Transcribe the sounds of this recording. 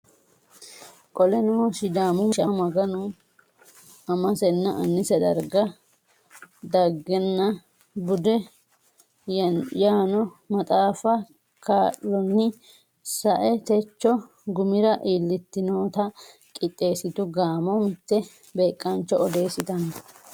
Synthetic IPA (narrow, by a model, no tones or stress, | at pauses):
kʼɔlɛnosɪd̪aːmɔmʃɐmɐɡɐnʊ | ɐmɐsɛnːɐʔɐnːɪsɛd̪ɐ̰ɾɡɐ | d̪ɐɡːɛnːɐ | bʊd̪ɛ | jaːnɔmɐt̪ʼaːfɐ | kaːʔɔnːɪ | sɐʔɛt̪ɛt͡ʃːɔ | ɡʊmɪɾɐʔiːlːɪt̪ːɪnoːt̪ɐ | kʼɪt̪ʼːe̞ːsɪt̪ʊɡaːmɔmɪt̪ːɛ | be̞ːkʼːɐnt͡ʃːɔɔd̪e̞ːsɪt̪ɐnɐ